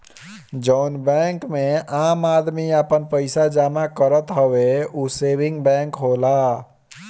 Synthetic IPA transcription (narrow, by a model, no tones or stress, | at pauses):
d͡ʒəʊnbɛŋkmeamad̪miəpənpəɪsad͡ʒamakəɾət̪ɦəweusebiŋɡbɛ̃ŋkɦola